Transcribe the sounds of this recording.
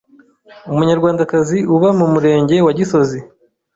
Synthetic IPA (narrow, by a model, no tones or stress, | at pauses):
umuɲaɾɡwaːndakaziuβamumuɾe̞ːɲɟe̞waɟiso̞zi